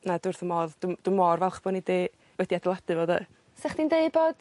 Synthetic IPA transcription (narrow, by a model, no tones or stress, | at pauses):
nadʊrθəmɔðd̥ʊd̥ʊmɔrvɛlˠχb̥ɔnidi | wɛdiadɪlˠadɨvɔːdɛ̰ | sɛχd̥indeɨd̚boːd̥